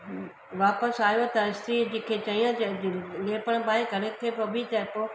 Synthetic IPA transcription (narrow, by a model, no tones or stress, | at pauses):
ʋaːpəsaːjot̪ɐɪst̪id͡ʑĩːkʰet͡ʃɐijãleːpəɽ̃baːeɡɐɽekʰepoːbʱit̪ɐpo